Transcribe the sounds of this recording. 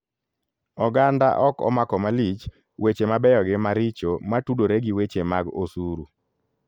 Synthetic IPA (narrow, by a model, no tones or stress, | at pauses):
ɔɡanda̰ʔɔkɔ̰makɔmalit͡ʃ | wet͡ʃemabɛjɔɡɪmaɾɪt͡ʃomatudoɾeɡiwet͡ʃemaɡosuɾu